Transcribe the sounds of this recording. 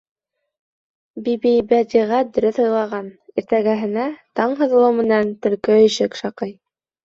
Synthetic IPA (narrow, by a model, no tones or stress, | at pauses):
bibijbæd̪ʲiʁæd̪ɵ̆ɾɵθhɤ̆jlˠɑʁɑniɾt̪æɡæɦɘ̆næt̪ɑɴɦɤ̆ð̆lˠɤwmɘ̆nænt̪ɵ̆lkɵɵ̆ʃɘkʃɑqɤj